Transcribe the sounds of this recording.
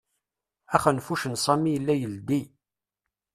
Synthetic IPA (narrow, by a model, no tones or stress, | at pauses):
æχənfuʃənsˤæmijəlːæjəld̪i